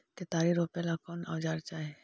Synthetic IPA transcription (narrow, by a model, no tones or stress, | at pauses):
ket̪aːɾiɾopɛlakɔːna̰ːd͡ʒaːɾt͡ʃaːe